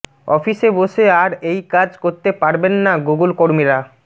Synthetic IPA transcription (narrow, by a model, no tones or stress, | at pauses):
ɔfiʃeboʃeaɾejkad͡ʑkoɾt̪epaɾbenːaɡuɡulkoɾmiɾa